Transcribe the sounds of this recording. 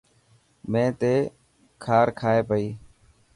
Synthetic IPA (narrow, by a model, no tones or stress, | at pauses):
mẽːt̪eː | kʰaːɾkʰaːeːpəiː